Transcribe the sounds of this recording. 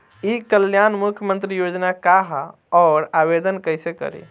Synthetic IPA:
ikəljanmukʰjəmənt̪ɾijod͡ʒnakaɦ | ɔɾabed̪ənkəjsekə̰ɾḭ

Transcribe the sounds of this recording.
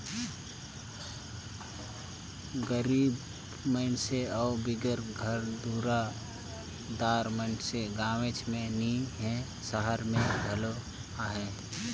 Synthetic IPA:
ɡəɾiːb | məɪnseɔːbɪɡəɾɡʱəɾd̪uːɾa | d̪aːɾmənseɡaːmet͡ʃmẽniɦɛ̃ | səɦəɾmẽbʱəlo | aːɦɛ̃

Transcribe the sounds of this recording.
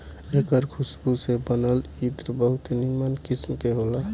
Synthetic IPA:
ekəɾkʰʊsbusebənəlit̪ɾbəɦʊt̪enimənkɪsmkeɦola

